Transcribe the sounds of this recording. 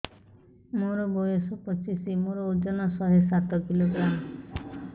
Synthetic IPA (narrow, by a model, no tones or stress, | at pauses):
moɾɔbɔjesɔpɔt͡ʃisimoɾɔod͡ʒɔnasɔɦesat̪ɔkiloɡɾam